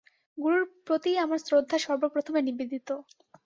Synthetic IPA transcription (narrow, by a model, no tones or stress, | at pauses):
ɡuɾuɾpɾot̪iamaɾsɾod̪ʱːaʃɔɾbopɾot̪ʰomenibid̪ʱit̪o